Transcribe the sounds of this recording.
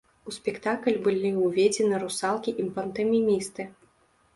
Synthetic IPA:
uspʲɛkt̪aklʲbɨlʲiuvʲed͡zʲɛnɨɾusalˠkʲiʔimpɐnt̪ɛmʲimʲist̪ɨ

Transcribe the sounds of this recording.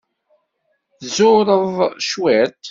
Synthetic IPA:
θzʊɾˤəðˤʃweɾt̪

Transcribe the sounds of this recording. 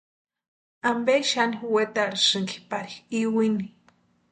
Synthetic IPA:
ambeʃaniwet̪aɾisɨŋɡi̥paɾixiwini

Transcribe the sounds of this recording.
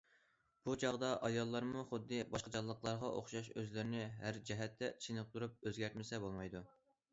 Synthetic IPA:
b̥ut͡ʃʰɑʁd̪ɑʔɑjɑlˠːɑɾmuχʊd̪ːɨbɑʃqɑd͡ʒɑlˠːəqlˠɑɾʁɑʔo̰χʃɑʃøzlɪɾɪnɪɦæɾd͡ʒɛɦɛt̪ʰːɛt͡ʃʰinɨp̚t̪ʰuɾup̚øzɡʲæɾt̪̚mɪsɛbolˠmɑjd̪u

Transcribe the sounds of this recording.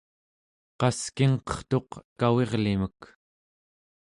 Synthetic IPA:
qɑskiŋqʌ̥χt̪o̞qkawe̞ʁlimək

